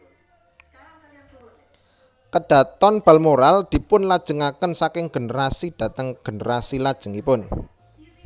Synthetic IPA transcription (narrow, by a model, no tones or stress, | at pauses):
kəɖ̥a̤t̪ɔnb̥a̤lmoɾald̪̥i̤pʊnlad̥ʒ̥ə̤ŋakənsakɪŋɡ̥ə̤nɾasid̥ä̤t̪əŋɡ̥ənəɾasilad̥ʒ̥ə̤ŋipʊn